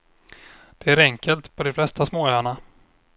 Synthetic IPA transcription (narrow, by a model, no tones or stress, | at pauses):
d̪̥ɛæɾɛŋkʰəlt̪pʰɔd̪ɛflɛst̪asmoːøaɳa